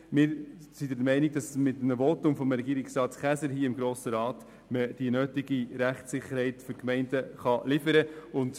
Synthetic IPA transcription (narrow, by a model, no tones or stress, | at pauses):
mɪːɾsidədmɛɪniɡ̚dɑsmɪtnəʋɔtʊmfɔmɾɛɡiːɾɪksɾɑːtχæsəɾɦiːəɪmɡɾoːsəɾɑːt | məd̥iənøːtiɡiɾæχtsɪχəɾhɛɪtføɾkmɛɪndəχɑlɪfəɾəʊnd